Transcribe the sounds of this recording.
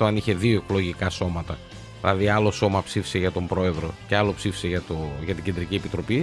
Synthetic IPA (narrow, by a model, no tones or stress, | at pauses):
t̪oɐniçe̞ðioekolo̞ʝikɐso̞mɐt̪ɐ | ðilɐðiɐlo̞so̞mɐpsifi̥se̞ʝɐt̪o̞mbɾo̞e̞ðɾo̞ceɐlopsifi̥se̞ʝɐt̪ojʝɐt̪iɟend̪ɾiciepit̪ɾo̞pi